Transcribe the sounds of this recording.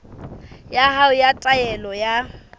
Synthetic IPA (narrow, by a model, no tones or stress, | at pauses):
jahaʊjatʼajɛlɔja